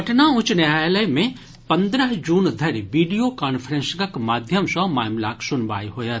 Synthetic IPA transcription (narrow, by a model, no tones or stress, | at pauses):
ɐʈnaʊt͡ʃnjaləjmẽ | pɐ̃nd̪ɾəɦd͡ʒuːnd̪ʱɐɾʋiːɖijokaːnfʰəɾẽnskɐkmaːd̪ʱjəmsɔmaːjmla̰ːksʊnba̰ːjɦoːjət̪